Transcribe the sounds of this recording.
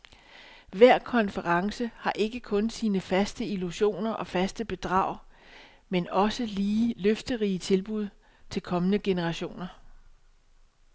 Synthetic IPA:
ʋæɐ̰kʰɒ̽nfəʁɑ̈ŋsəhɑ̈ʔe̝ɡ̥əkʰɔ̽nsiːnəfæsd̥əiluɕo̝̰ːnɐʔɒ̽fæsd̥əb̥e̝d̥ʁɑ̈ʊ̰ | menɒ̽səliːløfd̥əʁiːət͡sʰe̝lb̥uð̞̰ˠ | t͡sʰe̝lkʰɒ̽mənəɡ̥e̝nəʁɑ̈ɕo̝̰ːnɐ

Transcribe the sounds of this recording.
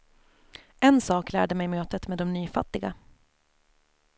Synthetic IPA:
ʔɛnsɑːklæ̰ːɖəmɛjmøːt̪ət̪meːd̪ɔmnyːfat̪ːɪɡa

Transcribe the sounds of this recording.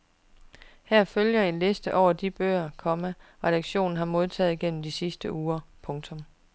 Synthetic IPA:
hæɐ̰føljɐe̝nle̝sd̥əʔɒʊ̰ɐd̥ib̥ø̰ːɐkʰɒ̽mæʁɛɾ̥ɑ̈ɡ̥ɕo̝̰ːn̩ɦɑ̈mo̝ð̞ˠt͡sʰɛ̰ːð̩ˠiɡ̥en̰m̩d̥isisd̥əʔuːɐpʰɔ̽ŋt͡sʰɔ̽m

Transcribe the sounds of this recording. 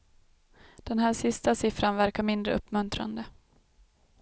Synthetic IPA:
d̪̥ɛnɦæːʂɪst̪asɪfɾanvæɾkaɾmɪnd̪ɾə̰ɵpːmɵnt̪ɾa̰nd̪ə

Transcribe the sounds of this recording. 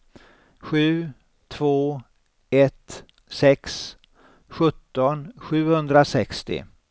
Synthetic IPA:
ɧʉ̟ː | t̪ʰv̥oː | ɛt̪ | sɛks | ɧɵt̪ːɔnɧʉ̟ːhɵnd̪ɾasɛkst̪ɪ̰

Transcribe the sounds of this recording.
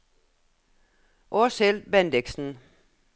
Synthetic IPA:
ʔɔselb̥ændeɡ̥sn̩

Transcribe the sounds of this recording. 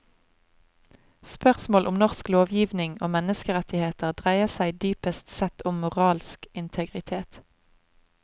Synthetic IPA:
spœʁsmoːlʔʊmnɔʁskloːʋjiːʋnɪŋoːmɛnəskəʁɛt̪ɪheːt̪əʁd̪ʁæɪəʁsæɪd̪yːpəst̪sɛt̪ʰʊmːʊʁɑːlskɪnt̪ʰəɡʁɪt̪ʰeːt̪

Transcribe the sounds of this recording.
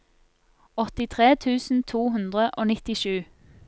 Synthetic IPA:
ɔt̪ɪt̪ʰʁeːt̪ʰʉːsn̩t̪ʰuːhʉnd̪ʁəʔoːnɪt̪ɪʃʉː

